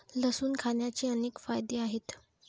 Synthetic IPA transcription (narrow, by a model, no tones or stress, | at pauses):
ləsuːnkʰanjat͡ɕiːəneːkfajd̪eaɦet̪